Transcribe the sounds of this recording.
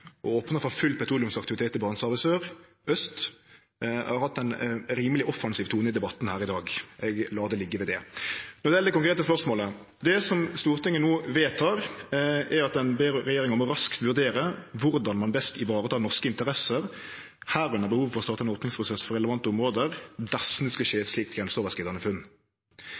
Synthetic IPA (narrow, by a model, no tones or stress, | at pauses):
ʔɔoːpnəfɔfʉlːpɛt̪ʰuːlɪʉmsɑkt̪ɪʋɪt̪ʰeːt̪ːɪbɑːnsɑʁʋɪsøːʁ | œst̪ | hɑɾhɑt̪ːɛɪnɾiːməlɪʔɔfɑnsiːʋt̪ʰuːnəɪd̪ɛbɑt̪ːn̩hæːɾɪd̪ɑːɡɛɡlɑːd̪ɛlɪɡːəʋɛd̪ɛnɔd̪ɪɛld̪ɛkʊŋkɾeːt̪əspœʁsmoːlə | d̪ɛsɔmst̪uːɾt̪ɪŋənuːʋeːt̪ʰɑːʁ | ɛɾɑt̪̚d̪ɛnbeːɾɾɛjeːɾɪŋɑnmɔɾɑskt̪ʋʉɾd̪eːɾəʋʊɾd̪ɑnmɑnbɛst̪ɪʋɑːɾət̪ʰɑːnɔʁskəɪnt̪əɾɛsəɾ | hæːɾɛnəbəhuːʋfɔɾʁɔst̪ɑːt̪ɑɛnoːpnɪŋspʰɾʊsɛsfɔɾɛləʋɑnt̪əʊmʁoːd̪əɾd̪ɛsnʉːskɑʃeːɛt̪sliːk̚t̪ɡɾɛnsoːʋəskɪːd̪ɑnəfʉnː